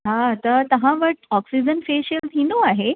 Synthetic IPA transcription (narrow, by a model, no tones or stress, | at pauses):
ɦat̪ət̪ɐɦãʋəʈɔksid͡ʑənfeːʃəlt̪ʰinõaːɦe